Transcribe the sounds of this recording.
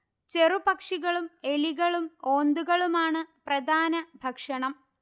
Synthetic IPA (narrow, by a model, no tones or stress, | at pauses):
t͡ɕe̞rubɐkʂiɣɐɭume̞liɣɐɭumo̞ːnd̪uɣɐɭumaːɳɨprɐd̪ʱaːnɐbʱɐkʂɐɳɐm